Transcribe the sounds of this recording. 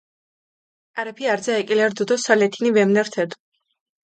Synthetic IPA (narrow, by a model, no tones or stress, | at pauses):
aɾɛpʰiaɾd̪zaɛkʼilɛɾd̪ud̪ɔsalɛt̪ʰinivɛmnɛɾt̪ʰɛd̪u̥